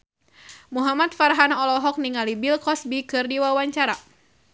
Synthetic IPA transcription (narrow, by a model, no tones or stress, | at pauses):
muɦamat̪̚farɦanɔlɔɦɔk̚niŋalibilkɔsbikɨrdiwawaɲt͡ʃaɾa